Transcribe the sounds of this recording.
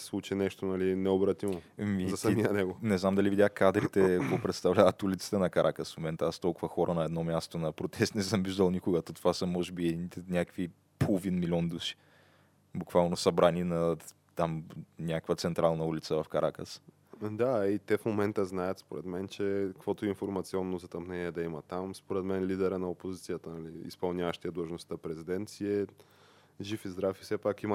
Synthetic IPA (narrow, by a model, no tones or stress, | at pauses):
slˠut͡ʃinɛʃt̪onɐlinɛobɾɐt̪imomiɐsɐiənɛɡonɛznamd̪ɐlivid̪ʲaxkad̪ɾit̪ɛkvɔpɾɛt̪st̪ɐvlʲavət̪ulit̪si̥t̪ɛnɐkɐɾʔakəsfmomɛnt̪əast̪ɔlˠkʊvɐxɔɾʔənɐɛd̪nɔmʲjast̪onɐpɾot̪ɛst̪nɛsəmviʒd̪əlˠnikʊɡət̪ot̪o̥vasəmɔʒɛbiɛd̪init̪ɛnʲakəvi | polˠovinmilʲɔnd̪uʃi̥ | bʊkvalˠnosɐbɾaninɐ | t̪amnʲakəkvət̪sɛnt̪ɾalˠnɐulʲit̪səvɐfkɐɾʔakəs | d̪ait̪ɛfmomɛnt̪əznajət̪spoɾɛd̪mɛnt͡ʃɛkəkvɔt̪oʊɛinfoɾmɐt̪siɔnːozɐt̪ɐmnɛnʲiɛd̪ɐimɐt̪amspoɾɛd̪mɛnlid̪ɛɾənɐopozit̪sijət̪ənɐliḭspɐlˠnʲavəʃt̪iɛd̪lˠəʒnost̪ɐpɾɛzid̪ɛnt̪siɛ | ʒifizd̪ɾafi̥sɛpakim